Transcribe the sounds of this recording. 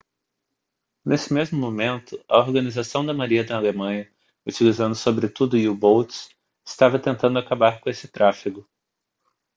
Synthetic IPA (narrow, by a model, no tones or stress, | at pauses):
nʔesɪ̥mezmʊmomẽnt̪ʊɐ̰oɾɡɐnizasɐ̃w̃d̪ɐmaɾiɐd̪ɐːlemɐ̃ɲɐ | ut͡ʃilizɐ̃nd̪ʊsobɾɪt̪ud̪ʊɪʊbowt̪s | ɪst̪avɐt̪ẽnt̪ɐ̃nd̪ʊakabaɾkõesɪ̥t̪ɾafiɡʊ